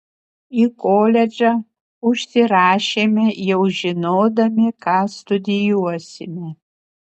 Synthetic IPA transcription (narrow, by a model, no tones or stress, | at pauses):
ikoːlʲɛd͡ʒɐ | ʊʃsʲɪɾɑːʃeːmʲɛjɛwʒɪnoːd̪ɐmʲɪkɑːst̪ʊd̪ʲɪjuɔsʲɪmʲɛ